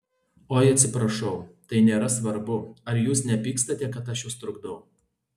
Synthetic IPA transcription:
oːɪɐt̪ʲsʲɪpɾɐʃɐʊt̪ɐɪnʲeːɾɐsʋɐɾbʊɐɾjuːsnʲɛpʲiːkst̪ɐt̪ʲɛkɐt̪ɐʃjʊst̪ɾʊɡd̪ɐʊ

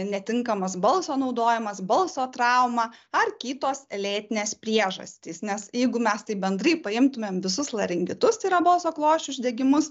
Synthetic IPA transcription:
nʲɛt̪ʲɪŋkɐmɐsbɐlˠsoːnɒʊd̪oːjɪmɐsbɐlˠsoːt̪rɑˑʊmɑːɐrkʲiːt̪oːsɛlʲeːt̪ʲɪnʲeːspʲɾʲiɛʒɐ̰sʲt̪ʲiːsnʲɛsjɛɪɡʊmʲɛst̪ɐɪbʲɛnd̪rɐɪpɐɪmt̪ʊmʲeːmʋʲɪsʊslˠɐɾʲɪŋʲɡʲɪt̪ʊst̪ɐɪɾɐbɐlˠsoːklˠoːʃʲt͡ʃʲʊʒʲd̪ʲɛɡʲɪmʊs

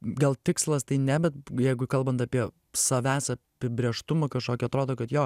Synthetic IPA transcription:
ɡɐlˠt̪ʲɪkslˠɐst̪ɐɪnʲɛbʲɛt̪̚jɛɪɡʊkɐlˠbɐnt̪ɐpʲiɛ | sɐʋʲæːsɐpʲɪbʲɾʲeɛʃt̪ʊmɐkɐʃkoːkʲɪɐt̪ɾoːd̪oːkɐt̪joː

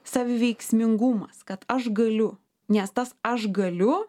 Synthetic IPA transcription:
sɑːʋʲɪʋʲɛɪksʲmʲɪŋɡʊmɐskɐt̪ɐʃɡɐlʲʊ | nʲɛst̪ɐsɐʃɡɐlʲʊ

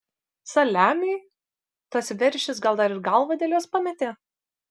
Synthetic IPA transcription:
sɐlʲæːmʲɛɪ | t̪ɐsʋʲɛɾʲʃʲɪsɡɐlˠd̪ɐɾɪɾɡɐlˠʋɐd̪ʲeːlʲjoːspɑmʲɛt̪ʲeː

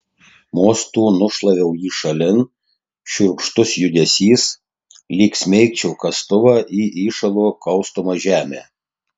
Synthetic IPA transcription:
moːst̪uːnʊʃlˠɐʋʲɛʊjiːʃɐlʲɪn | ʃʲʊɾkʃt̪ʊsjʊd̪ʲɛsʲiːs | lʲiːksʲmʲɛɪkt͡ʃʲɛʊkɐst̪ʊʋɑːʔiːʔiːʃɐlˠoːkɐʊst̪omɐʒʲæːmʲeː

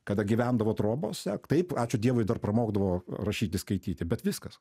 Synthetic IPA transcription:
kɐd̪ɐɡʲiʋʲænd̪ɐʋoːt̪ɾoːboːsʲɛt̪ɐɪpɑːt͡ʃʲʊd̪ʲiɛʋoɪd̪ɐrpɾɐmoːɡd̪ɐʋoːrɐʃʲiːt̪ʲɪskɐɪt̪ʲiːt̪ʲɪbʲɛt̪ʋʲɪskɐs

